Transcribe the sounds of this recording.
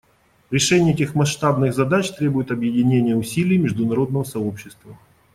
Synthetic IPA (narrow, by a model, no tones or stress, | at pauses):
ɾʲɪʂɛnʲɪjətʲɪxmɐʂt̪abnɨɣzɐd̪at͡ɕt̪ɾʲe̞bʊjɪt̪ɐbjɪdʲɪnʲenʲɪjəʊsʲilʲɪjmʲɪʐd̪ʊnɐɾo̞d̪nəvəsɐo̞pɕːɪst̪və